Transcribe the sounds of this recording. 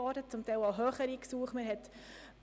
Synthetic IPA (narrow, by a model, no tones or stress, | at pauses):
ɔːdət͡sʊmt̪ɛɪlaɦøːχəɾiːksuəχməɾɦɛt̪